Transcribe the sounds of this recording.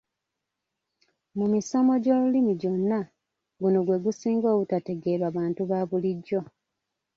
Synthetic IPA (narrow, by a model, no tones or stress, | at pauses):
mumisamo̞ɟo̞ːlulimiɟo̞nːa | ɡunoɡwe̞ɡusiːŋɡo̞ːɡutate̞ɡe̞ːɾwaβaːntuβaβuliɟːo̞